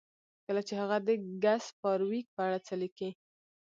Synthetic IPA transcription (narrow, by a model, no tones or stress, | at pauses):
kəlat͡ʃehaɣad̪əɡaspɑɾwik̚pəaɽat͡saliki